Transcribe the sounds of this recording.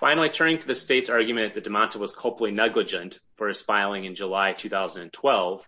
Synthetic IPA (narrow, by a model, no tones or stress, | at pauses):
fãɪ̃nl̩ˠitʰɜ̃˞nɪ̃ŋtʰɨðɨsteɪtsɑɹɡjɨmɨ̃nðɨt̚d̥ɨmɑ̃ntʰəwʌz̥kʰʌlˠpl̩ˠinɛɡlɨd͡ʒɨ̃ntfə˞ɨspaɪlˠɪ̃ŋɨ̃nd͡ʒəlaɪtʰʉθaʊzn̩d̃n̩tʰw̥ɛlˠv̥